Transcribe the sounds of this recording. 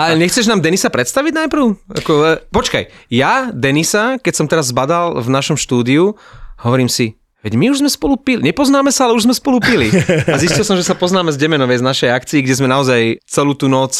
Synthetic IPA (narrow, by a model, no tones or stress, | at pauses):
alɛɲɛxt͡sɛʒnaːmd̪ɛnisapɾɛt̪st̪aʋiɟnajpɾ̩ʊa̰kɔpɔt͡ʃka̰jjad̪ɛnisakɛcsɔmt̪ɛɾazːbad̪alvnaʃɔmʃt̪uːd̪iuɦɔʋɔɾiːmsi | ʋɛɟmiuʒzmɛspɔlupilɲɛpɔznaːmɛsaalɛuʒzmɛspɔlupiliaziscilˠsɔmʒɛsapɔznaːmɛzɟɛmɛnɔʋɛjznaʃɛjakt͡siiɡɟɛzmɛnaɔzajt͡sɛluːt̪uːnɔt͡s